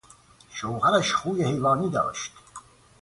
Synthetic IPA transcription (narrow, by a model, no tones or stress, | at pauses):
ʃowhæɾaʃxuːjehejvɑːniːd̪ɑ̰ːʃt̪